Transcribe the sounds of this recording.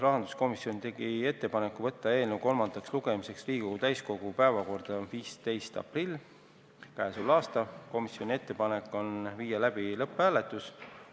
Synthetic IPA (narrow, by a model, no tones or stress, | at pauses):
rɑɦɑnd̪̥u̥sko̞misjo̞nt̪e̞ɡ̥ie̞t̪ːe̞pɑnekːuvɤ̞t̪ːɑe̞ːlnewko̞lmɑnd̪̥ɑksluɡ̥e̞mise̞ksriːɡkoɡ̥ut̪æjsko̞ɡ̥upæevɑko̞rd̪̥ɑviːst̪e̞jst̪ɑ̰prilː | kæesulɑːst̪ɑko̞misjo̞nʲie̞t̪ːe̞pɑnekːˑo̞nviːjɑlæb̥ilɤpˑːæːlet̪ːˑus